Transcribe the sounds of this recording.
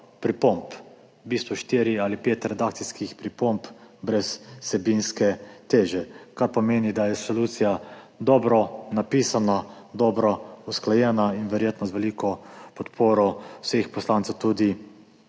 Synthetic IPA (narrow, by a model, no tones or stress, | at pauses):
pɾipɔmp | biːst̪ʋɔʃt̪iːɾialipeːt̪ɾɛd̪aːk̚t̪siskixpɾipɔmpbɾɛsːɛbinskɛt̪eːʒɛkaɾpɔmeːnid̪ajɛsoluːt̪sija | d̪ɔːbɾɔnapiːsana | d̪ɔːbɾɔusklajɛːnainʋɛɾjeːt̪nɔzʋɛliːkɔpɔt̪pʰoːɾɔsexpɔslantsɛwt̪uːd̪i